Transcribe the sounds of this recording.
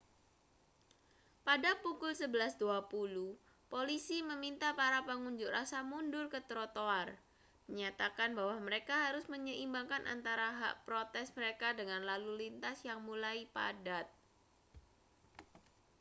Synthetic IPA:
padapukʊlsəbəlasduapulu | polisiməmint̪apaɾapəŋuɲd͡ʒʊʔrasamundʊrkət̪ɾot̪oar | məɲat̪akanbawaməɾekaɦaɾʊsməɲəʔimbaŋkanʔa̰nt̪aɾaɦa̰ʔpɾot̪ɛsməɾekadəŋanlalulint̪asjaŋmulaipa̰dat̪̚

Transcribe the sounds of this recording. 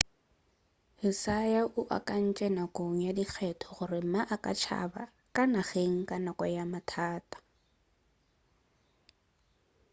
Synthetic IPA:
hɪsajaʔʊʔa̰kʼan̩t͡ʃʼɛnakʼoŋ̩jadik͡xʰɛtʰɔ̥χʊrɪm̩maʔakʼa̰t͡ʃʰa̰ba̰ | kʼanaɣeŋ̩kʼanɔkʼɔjamatʰaːtʼḁ

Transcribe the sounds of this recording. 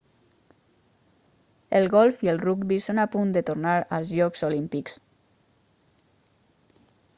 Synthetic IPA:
əlˠɣɔlˠfiəlˠrukbisonapund̪ət̪uɾnaɾə̰lˠzʎɔkzolimpiks

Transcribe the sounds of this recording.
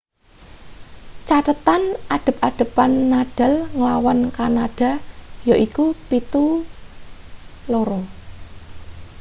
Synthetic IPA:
t͡ʃat̪ət̪anʔaɖ̪̥ə̤p̚aɖ̪̥ə̤panːaɖ̥a̤lŋəlawankanaɖ̥a̤jaʔikupit̪u | loɾɔ

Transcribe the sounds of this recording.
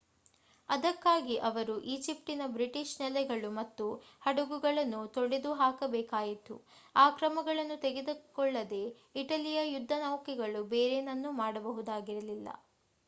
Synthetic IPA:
ɐd̪ɐkːaːɡiʔɐʋɐɾuʔiːd͡ʒip̚ʈinɐbɾiʈiʃnɛlɛɡɐɭumɐt̪ːu | hɐɽuɡuɡɐɭɐnːut̪oɽed̪uɦaːkɐbɛːkaːjit̪ṵaːkɾɐmɐɡɐɭɐnːut̪eɡed̪ukɔɭːɐd̪e̞ | iʈɐlijɐjud̪ʱːɐnɐwkɛɡɐɭubeːɾenɐnːumaːɽɐbɐɦud̪aːɡiɾɐlilːɐ̰

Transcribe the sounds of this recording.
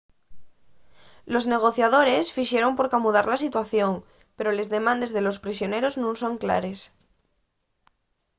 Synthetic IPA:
lo̞zne̞ɣ̞o̞θjað̞o̞ɾe̞sfiʃje̞ɾo̞mpo̞ɾkamuðaɾlasit̪waθjo̞ŋ | pe̞ɾo̞le̞zðe̞mãnd̪e̞zðe̞lo̞spɾisjo̞ne̞ɾo̞znũnso̞ŋkla̰ɾe̞s

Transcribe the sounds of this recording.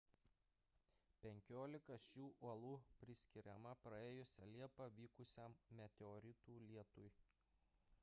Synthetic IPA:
pʲɛŋʲkʲoːlʲɪkɐʃʲuːʔuɔlˠuːpʲɾʲɪsʲkʲɪɾʲɛmɐpɾɐeːjʊsʲɛlʲiɛpɑʋʲiːkʊsʲɛmːʲɛt̪ʲɛɔɾʲɪt̪uːlʲiɛt̪ʊj

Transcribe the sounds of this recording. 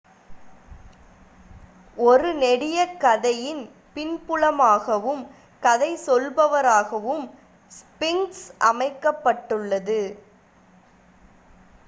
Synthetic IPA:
ɔɾɯnɛɽɪjɐkːɐðɐjɪn | pɪnpɯɭɐmaːɣɐʋɯm | kɐðɐɪsɔlbɐʋɐɾaːɣɐʋɯm | spɪŋsʔɐmɐɪkːɐpːɐʈːɯɭːɐðɯ

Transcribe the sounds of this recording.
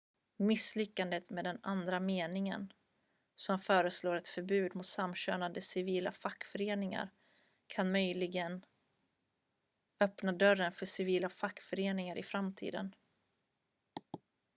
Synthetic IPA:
mɪslʏkːand̪ət̪meːd̪ɛnand̪ɾameːnɪŋə̰n | sɔmfœːɾəsloːɾɛt̪fœɾbʉ̟ːd̪mʊt̪samːɕø̰ːnand̪əsɪviːla̰fakːfœɾeːnɪŋa̰ɾ | kʰanmœjlɪɡən | œpnad̪œɾənfœʂɪviːlafakːfœɾeːnɪŋaɾʔɪfɾamt̪ʰḭːd̪ə̰n

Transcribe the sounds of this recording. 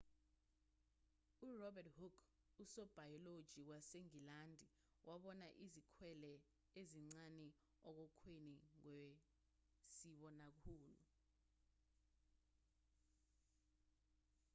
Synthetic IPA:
urɔbɛthukʰ | usɔb̥ʱajɔlod̥ʒ̥ʱiwaseŋilandʱi | wʔaɓɔnaʔizikʰwɛlɛ | eziŋ͡ǀanɛ | ɔk̬ɔkʰweniŋwe | siɓɔnak̬ʰuːlṵ

